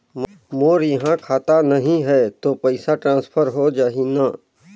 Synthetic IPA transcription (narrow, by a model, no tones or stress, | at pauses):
m | moːɾjɐɦãkʰaːt̪anɐɦĩɦɛt̪opɛɪsaʈɾãːnspʰəɾɦod͡ʒaːɦina